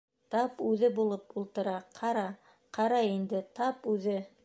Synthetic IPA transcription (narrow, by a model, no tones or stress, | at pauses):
t̪ɑpʉðɘbulˠɤpulˠt̪ɤ̆ɾɑqʰɑɾɑ | qʰɑɾɑind̪ɘt̪ɑpʉðɘ